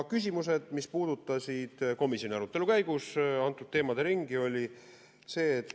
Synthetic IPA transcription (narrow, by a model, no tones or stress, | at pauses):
kys̬ʲimus̬e̞d̪̥mispuːd̪ut̪ːˑɑsid̪̥ko̞misjo̞nʲiɑɾut̪ːˑe̞lukæjɡ̥usɑnt̪ːˑud̪̚t̪ːeːmɑd̪eɾiŋɡio̞lʲi | se̞ːt̪